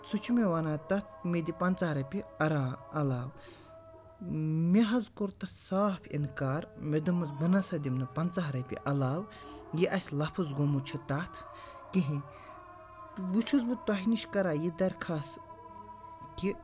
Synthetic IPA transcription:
t͡sut͡ʃʰumeʋanaːt̪ɐt̪̚ʰmʲed̪ʲipɐnt͡saɦɾɐpʲiɐɾaːɐlaːw | meɦɐzkoɾt̪ɐsaːpʰḭnkaːɾmed̪umɐzbɐnɐsɐd̪imnɨpɐnt͡saɦɾɐpʲḭʔɐlaːw | jiʔɐsʲlɐpʰuzɡomut͡ʃʰit̪ɐt̪ʰ | kiɦĩ | ʋut͡ʃʰuzbɨt̪aɦiniʃkɐɾaːjid̪ɐɾkʰas | ki

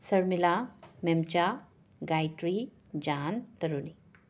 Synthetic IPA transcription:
səɾmilamemt͡ɕa | ɡajʈɾi | d͡ʑant̪əɾuni

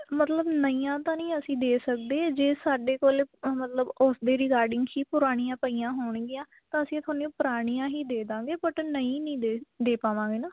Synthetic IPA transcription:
mət̪ləbnəijãːt̪ãːnĩːəsĩːd̪eːsək̚d̪eːd͡ʒeːsaːɖeːkoːlmət̪ləbʊsd̪eːɾɪkaːɾɖɪŋɡhiːpʊɾaːɽ̃ijãːpəiːjãːɦoːɳɡɪjãː | t̪ãːəsĩːt̪ʰaːniːũːpʊɾaːɽ̃ijãːɦiːd̪eːd̪ãːɡeːpəʈnəĩːnĩːd̪d̪eːpaːʋãːɡeːnãː

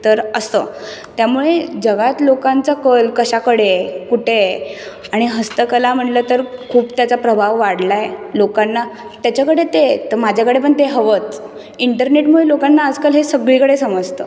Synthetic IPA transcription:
t̪əɾəst̪ə̰t̪jamuɭed͡zəɡat̪lokant͡sakəlkəɕakəɽekuʈʰe | aɽ̃iɦəst̪əkəlam̤əɳlət̪əɾkʰuːpt̪jat͡sapɾəbʱaʋːaɽ̤lajelokanːa | t̪jat͡ɕakəɽet̪et̪əmad͡ʑʱakəɽep̬əɳt̪eɦəʋət͡s̪ | iɳʈəɾneʈmuɭelokanːaːd͡zkalɦesəɡɭikəɽesəməd͡zt̪ə

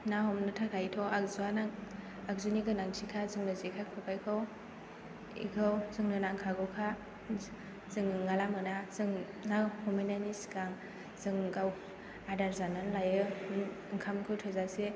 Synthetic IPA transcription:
naɦɔmnɯtʰakʰajitʰɔak̚zuanaŋ | ak̚zuniɡɯnaŋtʰikʰazɯŋnɯzekʰakʰɯpʰajkʰaw | ḭkʰɯwzɯŋnɯnaŋkʰaɡɯwkʰa | zɯŋŋːalamɯnazɯŋ | nahɔminanisɡaŋ | z̥ɯŋɡaw | adaɾzananlajɯ | ŋkʰamkʰɯwtʰɯzase

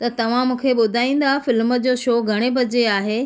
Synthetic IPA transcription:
t̪ɐt̪ɐʋ̤ãmũːkʰeɓʊd̪ʱaːĩːn̆d̪afɪlmə̆d͡ʑoːʃoːɡʱɐɽ̃ebʱɐd͡ʑeaːɦeː

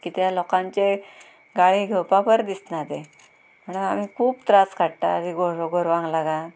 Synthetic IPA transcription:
kit̪jalɔkãɲt͡ɕe | ɡaɭiːɡʱewpapəɾd̪isnad̪e | m̤əɳəam̤iːkʰuːbt̪ɾaskʰaɽʈ̪aːd̪iɡoɾoɡoɾʋãŋɡlaɡa

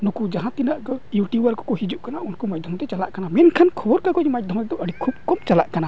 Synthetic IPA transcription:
nukud͡ʒaɦãt̪inaʔkɔjuʈjubaɾkɔ̥kɔhid͡ʒuʔkanaʔunkɔmad͡ʒ̚d̪ʱɔmt̪ɛt͡ʃalaʔkanamɛnkʰankʰɔbɔɾkakɔmad͡ʒ̚d̪ʱɔmt̪ɛd̪ɔʔəɽikʰub̚kɔb̚t͡ʃalaʔkana

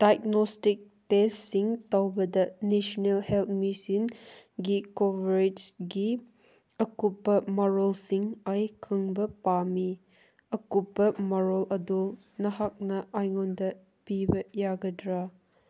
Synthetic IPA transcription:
d̥ajk̚nostik̚testːiŋtɐwbɐdɐnesɔnelhelt̪̚misinɡikobɾed͡ʒɡi | ɐkupːɐmɐɾolsiŋajkʰɯŋbɐpami | ɐkupːɐmɐɾolɐdu | nɐɦak̚nɐajŋɔndɐ | pibɐjaɡɐdɾa

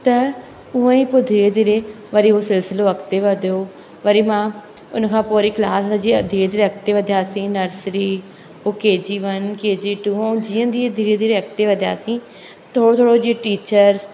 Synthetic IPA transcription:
t̪ə | ʊãːiːpod̪ʱiɾeːd̪iːɾeː | ʋəɾiːoːsɪlsɪloːəkt̪eːʋəd̪eoː | ʋəɾiːmãː | ʊ̰nkʰãːpoːɾiːklaːsad͡ʒiːəd̪ʱiɾed̪iːɾeək̚ʰt̪eːʋəd̪jaːsĩːnəɾsɾiː | oːkeːd͡ʒiːʋənkeːd͡ʒiːʈuːõd͡ʒiːə̃ːd̪iːed̪ʱiɾeːd̪iːɾeːəkt̪eːʋəd̪ja̰ːsĩː | t̪ʰoːɽoːt̪ʰoːɽod͡ʒiʈiːt͡ʃəɾs

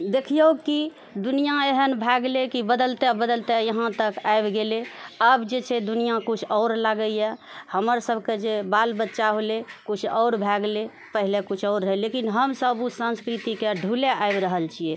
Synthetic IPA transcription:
d̪ekʰijəki | d̪unijaeɦənbʱɛɡlekibəd̪əlt̪ebəd̪əlt̪ejəɦãt̪əkajbɡeleəbd͡ʒet͡ʃʰɛd̪unijakut͡ʃʰɔʊɾlaɡəjahəməɾsəbʱked͡ʒebalbətːʃaɦolekut͡ʃʰɔʊɾbʱɛɡle | pəɦilekut͡ʃʰɔʊɾːelekinɦəmsəbusə̃nskɾit̪ikeɖʱuleaebɾəɦəlt͡ʃʰije

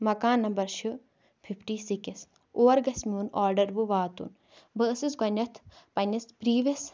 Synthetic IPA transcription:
mɐkaːnːɐmbɐɾʃɨ | pʰipʰʈiːsikis | oːɐɾɡɐsmʲiuːnɔːɾɖɐɾʋuʋaːt̪ṵn | bəsɨsɡɐnʲɐt̪ʰpɐnɐspɾiːʋɐs

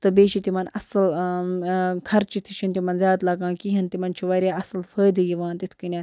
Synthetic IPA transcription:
t̪ɨbeːʃit̪imɐnɐsɨl | kʰɐɾt͡ʃʰit̪ʰit͡ʃʰint̪imɐnzjaːt̪laːɡãːkiɦɐnt̪imɐnt͡ʃʰiʋɐɾʲjaːɐsɨlfʰəːjd̪ɨjiʋãːnt̪it̪ʰkɨnʲaː

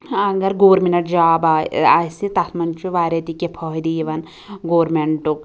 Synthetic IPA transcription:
ɐɡɐɾɡoːɾminɐʈd͡ʒaːbaa̰sit̪ɐt̪ʰmɐnt͡ʃuʋaːɾɐt̪ikepʰɔɦid̪iːʋɐn | ɡoːɾmeɳʈuk̚

